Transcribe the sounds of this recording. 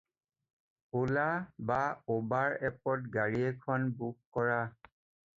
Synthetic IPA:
olabaobaɹɛp̚ɔtɡaɹiɛkʰɔnbukːɔɹa

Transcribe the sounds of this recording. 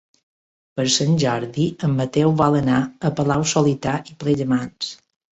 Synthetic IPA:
pəɾsənʲʒɔɾðiəmːət̪ɛwβalənaəpəlawsolit̪aʔipleʎəmans

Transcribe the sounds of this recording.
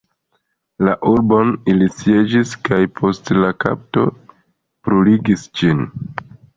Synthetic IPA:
laʔuɾbo̞nilit͡sie̞d͡ʒiskajpʰo̞stlaka̰p̚to̞̰ | pɾuliɡisd͡ʒin

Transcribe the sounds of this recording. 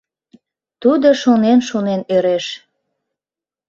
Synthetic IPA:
t̪ud̪oʃonenʃonenøɾeʃ

